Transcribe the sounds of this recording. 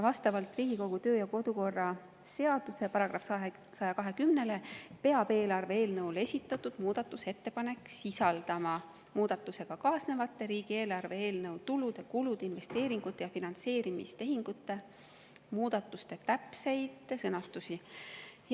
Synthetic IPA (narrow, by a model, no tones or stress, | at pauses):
vɑst̪ɑvɑlt̪ˑriːɡ̥iko̞ɡ̥ut̪ø̞ːjɑko̞d̪̥uko̞rːɑ | se̞ɑd̪̥use̞pɑɾɑɡ̥rɑfɑe | sɑjɑkɑɦe̞kymne̞le̞pe̞ɑb̥e̞ːlɑrve̞eːlnɤwle̞sʲit̪ːˑɑt̪ːud̪̥muːd̪̥ɑt̪ːˑuse̞t̪ːe̞pɑne̞kːsisɑld̪̥ɑmɑ | muːd̪̥ɑt̪ːˑuse̞ɡ̥ɑkɑːsne̞vɑt̪ːe̞ɾiːɡ̥ie̞ːlɑrve̞eːlnɤwt̪ulud̪̥e̞kulud̪einve̞st̪e̞ːɾiŋɡ̥ut̪ːˑe̞jɑfinɑnt̪se̞ːɾimist̪e̞ɦiŋɡ̥ut̪ːe̞ | muːd̪̥ɑt̪ːˑust̪e̞t̪æpse̞jd̪̥sɤnɑst̪usi